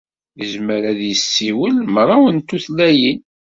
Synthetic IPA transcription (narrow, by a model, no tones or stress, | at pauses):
ðəzməɾæðjəsːiwəlmɾˤːɑwənt̪ːuθlæjin